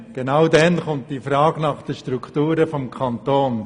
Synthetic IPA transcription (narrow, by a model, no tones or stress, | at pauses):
ɡ̥enaʊdɛnχʊnt̚d̥iːfɾɑːɡ̥nɑχd̥əʃtɾuktuːɾəfɔmkʰɑnt̪oːn